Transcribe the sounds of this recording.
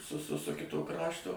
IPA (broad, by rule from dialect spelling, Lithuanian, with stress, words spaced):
sʊ sʊ sʊ ˈkʲɪtoː ˈkrɑːʃtoː